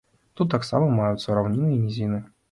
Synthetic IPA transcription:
t̪ut̪ːaksa̰mɐmajut̪sɐɾawnʲinɨjɐmʲizʲinɨ

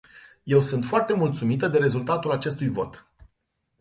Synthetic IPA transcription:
je̞wsunt̪foart̪e̞mult̪sumit̪əd̪e̞ɾe̞zult̪at̪ulat͡ʃe̞st̪ujvo̞̰t̪

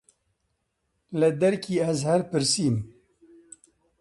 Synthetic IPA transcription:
lɨd̪ɛɾkʰiːɛzhɛɾpɨɾsiːn

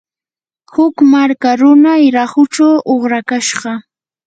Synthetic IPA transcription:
hʊkmaɾkaɾʊnajɾaχʊt͡ʃawʔoχɾakaʃɢɑ

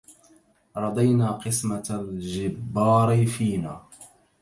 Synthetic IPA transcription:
ɾˤɑd̪ˤajnaːqɨsmalʒɪbːɑːɾɪfiːnaː

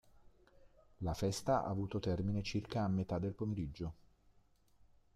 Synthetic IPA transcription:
lafɛst̪aʔa̰ːvuːt̪ot̪ɛrminet͡ʃirkaːmːet̪ad̪ːelpomeɾid͡ʒːo

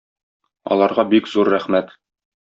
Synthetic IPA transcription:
ɒ̰lˠɑɾʁɑbikzuɾːæχmæt̪

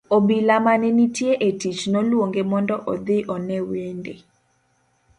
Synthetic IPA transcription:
obilamanenitjeʔetit͡ʃnɔlwoŋɡemɔndɔʔɔd̪ɪʔɔnɛwendḛ

